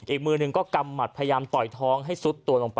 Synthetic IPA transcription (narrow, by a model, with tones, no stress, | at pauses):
ʔiː˨˩k̚mɯː˧nɯ˨˧ŋkɔː˥˩ka˧mːa˨˩t̪̚pʰja˧jaː˧mt̪ɔ˨˩jt̪ʰɔː˦˥ŋɦa˥˩jsu˦˥t̪ːu˧ɐlo˧ŋpa˧